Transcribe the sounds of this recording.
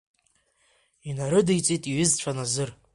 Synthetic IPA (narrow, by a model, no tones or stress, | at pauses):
inaɾɨdijt͡sʼitʼiɥɨzt͡ɕʷʰanazɨr